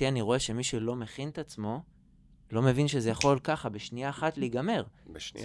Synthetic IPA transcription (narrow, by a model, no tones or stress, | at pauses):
ianiʁo̞e̞ʃe̞miʃelo̞me̞χint̪at͡smo̞ | lo̞me̞vinʃezejaχo̞lkaχabeʃniaːχatleiɡame̞ʁ̰